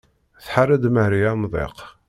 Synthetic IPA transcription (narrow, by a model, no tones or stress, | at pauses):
θħarːæd̪məhɾiæmðˤḛq